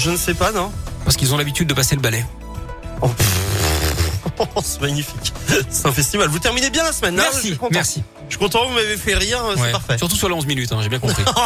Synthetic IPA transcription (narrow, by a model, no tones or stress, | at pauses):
ʒənəsɛpanɔ̃paʁsə̥kilzɔ̃labit̪yd̪̚ːəpaseləbalɛ | ɔ | sɛmaɲifiksɛ̥t̪ɛ̃fɛst̪ivalvut̪ɛʁminebjɛ̃lasmɛnmɛʁikɔ̃tmɛʁsi | ʒ̥ə̥kɔ̃t̪̬ɑ̃kvumavefɛʁiʁøswɛpaʁfɛsyʁt̪usyʁlaɔ̃zminyt̪ɛ̃ʒebjɛ̃kɔ̃pχi